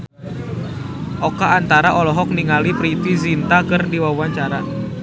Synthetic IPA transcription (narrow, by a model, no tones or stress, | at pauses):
ʔɔkaːnt̪aɾaʔɔlɔɦɔk̚niŋalipɾit̪izint̪akərdiwawaɲt͡ʃaɾa